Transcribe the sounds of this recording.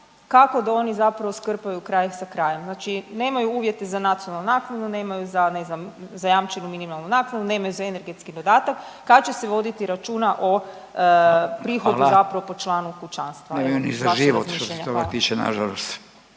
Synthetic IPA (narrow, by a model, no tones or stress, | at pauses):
kako̞d̪ao̞nizapɾaʋoskər̩pajukɾajsakɾaːjemznaːt͡ʃine̞ːmajuuːʋje̞t̪e̞zanat̪sijonalnunaːknad̪une̞ːmajuzane̞znamzajamt͡ʃenuminimalˠnunaːknad̪une̞ːmajuzaene̞ɾɡe̞t̪skid̪o̞d̪aːt̪akː | at͡ɕeseʋo̞d̪it̪iɾat͡ʃuːnaʔo | pɾiːxouzapɾaʋo̞po̞t͡ʃlˠaːnukut͡ʃanst̪ʋaemajunḭzaaʒiʋot̪ʃit̪osʃeeɲt̪oɡa̰p̪it͡ʃena̰ʒalˠost̪